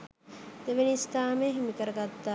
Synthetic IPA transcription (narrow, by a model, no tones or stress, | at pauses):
d̪̥eʋenist̪aːmeɦemikəɾɐɡat̪ːa